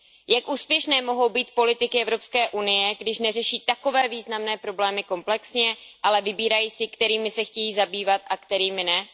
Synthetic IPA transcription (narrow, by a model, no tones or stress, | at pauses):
jakʔuːspjɛʃnɛːmo̞ɦo̞wbiːt̪̚po̞lɪt̪ɪkɪʔɛvɾo̞pskɛːʔunɪjɛɡdɪʃnɛrɛʃiːt̪ako̞vɛːviːznamnɛːpɾo̞blɛːmɪko̞mplɛksɲɛʔalɛvɪbiːɾajiːsɪkt̪ɛɾiːmɪsɛxcɛjiːzabiːvat̪ʔakt̪ɛɾiːmɪnɛ